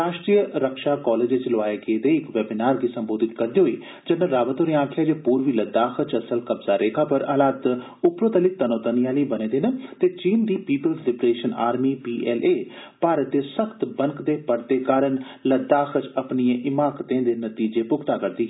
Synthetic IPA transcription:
ɾaːʃʈɾiːəɾəkʃaːkɔːleːd͡ʒet͡ʃlʊʋaːeɡeːd̪eːɪkʋɛːbɪnaːɾɡiːsəmboːd̪ɪt̪kəɾd̪eːɦoḭː | d͡ʒənːəɾaːʋət̪ɦoːɾĩãːkʰɪjaːd͡ʒeːpuːɾʋiːləd̪aːxʰət͡ʃəsəlkəbzaːɾʔeːkʰaːpəɾəːlaːd̪ | ʊpɾoːt̪əlɪt̪ənõːt̪ənɪjaːliːbənẽːd̪eːnət̪eːt͡ʃiːnd̪iːpiːpəlslɪbɾeːʃəna̰ːɾmiːpiːʔɛːleː | paːɾət̪̚d̪eːsəkʰt̪bəŋkd̪eːpəɾt̪eːkaːɾəɳ | ləd̪aːxət͡ʃəpniẽʔɪmaːkt̪ẽːd̪eːnət̪iːd͡ʒeːpʊkʰt̪aːkəɾd̪iːɦ

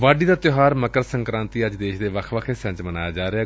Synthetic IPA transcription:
ʋaːɖiːd̪aːt̪joɦaːɾməkəɾsə̃ŋkɾãːnt̪iːəd͡ʒd̪eːʃd̪eːʋəkʰʋəkʰeːsə̃ɲt͡ʃmənaːjaːd͡ʒaːɾeaː

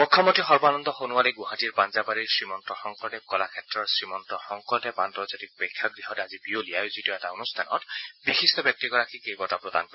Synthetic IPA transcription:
mɔkʰːɔmɔtixɔɹbɔanɔnd̪ɔxonualiɡʊɦatiɹpanzabaɹiɹsɹimɔntɹɔxɔŋkɔɹtɛkɔlakʰɛtɹɔɹsɹimɔntɹɔxɔŋkɔɹtɛpantɹɔzatik̚pɛkʰːjɔɡɹiɦɔtazibiolijajozitɔɛtaonustʰanɔ̰tbixistɔbjɔk̚tiɡɔɹakikejɡɔtapɹɔd̪a̰nkɔɹ

